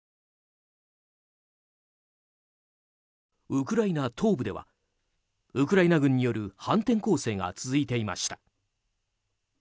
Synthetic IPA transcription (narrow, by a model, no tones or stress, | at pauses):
ɯkɯ̟ɾainat̪ʰo̞ːbɯ̟d̪e̞βa̰ | ɯkɯ̟ɾainaɡɯ̟̃ɲ̟ːijo̞ɾɯ̟hãnt̪ẽ̞ŋko̞ːse̞ːɡa̰t͡sɨzɨit̪e̞ima̰ɕi̥t̪ḁ